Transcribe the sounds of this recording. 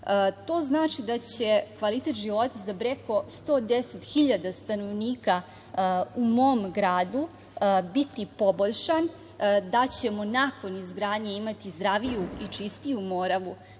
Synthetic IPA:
t̪o̞ːznaːt͡ʃid̪at͡ɕekʋalit̪et̪ʒiʋo̞t̪azabɾeko̞st̪o̞ːd̪eset̪xiʎad̪ast̪ano̞ʋniːka | umo̞mɡɾaːd̪u | bit̪ipo̞boʎʃan | d̪at͡ɕe̞mo̞nako̞nizɡɾaːd̪ɲeimat̪izd̪ɾaʋijuit͡ʂist̪ijumo̞ːɾaʋu

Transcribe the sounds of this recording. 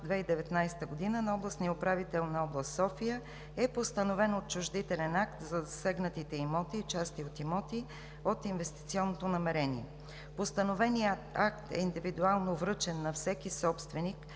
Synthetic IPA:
d̪vɛid̪ɛvɛt̪najst̪əɡod̪inənɐɔblˠəsnijəʊpɾavit̪ɛlˠnɐɔblˠəst̪sɔfijə | ɛpost̪ənovɛnot̪̚t͡ʃʊʒd̪it̪ɛlɛnakt̪zɐzɐsɛɡnət̪it̪ɛimɔt̪it͡ʃast̪iot̪imɔt̪i | ot̪invɛst̪it̪siɔnːot̪onɐmɛɾɛniɛ | post̪ənovɛnijət̪ak̚t̪ɛ̰ind̪ivid̪ualˠnovɾɤt͡ʃɛnːɐfsɛkisɔpst̪vɛnik

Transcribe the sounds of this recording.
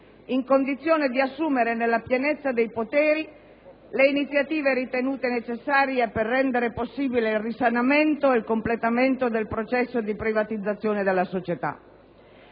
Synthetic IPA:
iŋkond̪it̪sːjoːned̪iasːuːmeɾenelːapjenet̪sːad̪ejpot̪ɛːɾi | leinit̪sːjat̪iːveɾit̪enuːt̪enet͡ʃesːaːɾjeperːɛnd̪eɾeposːiːbileilrisanament̪oelkomplet̪ament̪od̪elpɾot͡ʃɛsːod̪ipɾivat̪id̪zːat̪sːjoːned̪elːasot͡ʃet̪a̰

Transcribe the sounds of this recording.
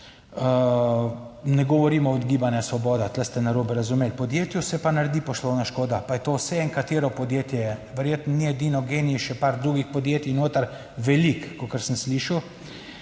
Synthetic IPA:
ə | nɛɡɔʋɔɾiːmɔɔd̪ɡiːbanjɛsʋɔbɔːd̪at̪lɛst̪ɛnaɾobɛɾazumeːlpɔd̪jeːt̪jusɛpanaɾd̪ipɔslɔwnaʃkoːd̪apajɛt̪oːwsɛɛŋkat̪eːɾɔpɔd̪jeːt̪jɛʋɛɾjeːt̪nɔniɛd̪iːnɔɡeːniiʃɛpaɾd̪ɾuːɡixpɔd̪jeːt̪inoːt̪əɾ | ʋɛlikːokəɾsənsliːʃəw

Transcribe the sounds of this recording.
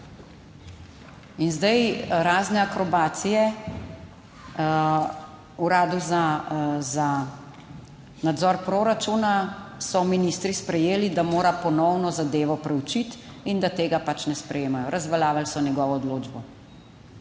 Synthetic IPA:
inzd̪ajɾaːznɛakɾɔbaːt̪sijɛ | uɾaːd̪uzaza | nad̪zɔːɾpɾoɾat͡ʃunasɔminist̪ɾispɾɛjeːlid̪amoːɾapɔnɔwnɔzad̪eːʋɔpɾɛut͡ʃit̪ | ind̪at̪eːɡapat͡ʃnɛspɾɛjeːmajɔɾʔazʋalaːʋalsɔnjɛɡɔːʋɔːd̪loːd͡ʒbɔ

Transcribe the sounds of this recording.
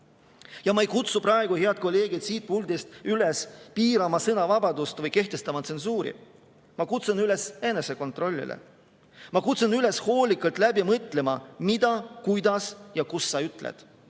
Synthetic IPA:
jɑmɑejkut̪supɾɑe̞ɡ̥uhe̞ɑt̪̚ko̞lːe̞ːɡ̥id̪̥siːt̪̚puld̪ist̪ylespiːɾɑmɑsɤnɑvɑbɑd̪ust̪vɤjke̞ht̪e̞st̪ɑmɑt̪se̞nsuːɾḭ | mɑkut̪sunyle̞se̞nːe̞se̞ko̞nt̪ˑro̞lʲːḭlʔḛ | mɑkut̪sunyle̞sho̞ːlikːˑɑlt̪ˑlæbjɑmɤt̪ˑle̞mɑmid̪̥ɑkujd̪̥ɑsjɑkusːɑyt̪ˑlḛd̪̥

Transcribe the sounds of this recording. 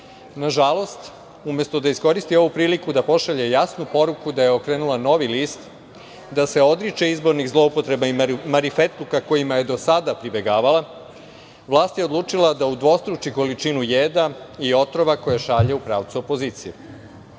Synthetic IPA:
naʒalo̞st̪ | umje̞st̪o̞d̪aisko̞ɾist̪io̞ʋupɾiːlikud̪apo̞ʃaʎe̞jasnupoɾukud̪ajeo̞kɾeːnulˠano̞ʋiliːst̪ | d̪ase̞o̞d̪ɾit͡ʃeizbo̞ɾnixzlˠo̞upot̪ɾebaimaɾifet̪lukako̞jimaje̞d̪o̞sad̪apɾibjeɡaːʋala | ʋlˠaːst̪jeod̪lˠuːt͡ʂilˠad̪aud̪ʋo̞st̪ɾut͡ʃiko̞lit͡ʃinujeːd̪aio̞t̪ɾo̞ʋako̞jaʃaʎeupɾa̰ːʋt̪suopo̞ziːt̪sije

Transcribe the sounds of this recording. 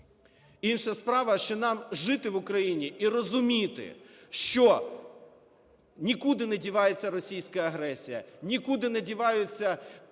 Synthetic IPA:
inʃɐspɾɑʋɐʃt͡ʃɔnɑmʒɪt̪ɪʋʊkɾɐjinʲiʔirɔzʊmʲit̪ɪ̰ʃt͡ʃɔ | nʲikud̪ɪnɛdʲiʋɑjet͡sʲːɐɾɔsʲijsʲkɐɐɦɾɛsʲijɐ̰nʲikud̪ɪnɛdʲiʋɑjʊt͡sʲːɐ

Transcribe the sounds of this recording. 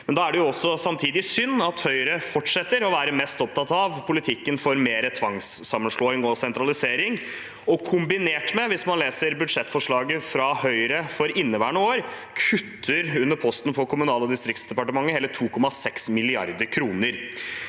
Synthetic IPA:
mɛnd̪ɑːæɖɛjʊɔsːɔsɑmt̪ʰiːd̪ɪsʏnːɑt̪hœʏɾəfɔʈʂɛt̪ːəɾɔʋæːɾəmɛst̪ɔp̚t̪ʰɑt̪ɑʋpʰʊlɪt̪ʰɪkːənfɔɾmeːɾət̪ʰʋɑŋsːɑmːənʂɭoːɪŋɔsɛnt̪ɾɑlɪseːɾɪŋ | ɔkʰʊmbɪneːʈmɛʋɪsmɑnleːsəɾbʉd̪ʂɛt̪ːfɔʂɭɑːɡəfɾɑhœʏɾəfɔɾɪnːəʋæːɳəoːɾ | kʰʉt̪ʰːəɾʉnːəɾpʰɔst̪ən̩fɔɾkʰʊmʉnɑːlɔd̪ɪst̪ɾɪkt̪sd̪ɛpɑʈəmɑŋːəheːlət̪ʰuːkʰɔmɑsɛksmɪlɪɑ̰ɾd̪əɾkʰɾuːnəɾ

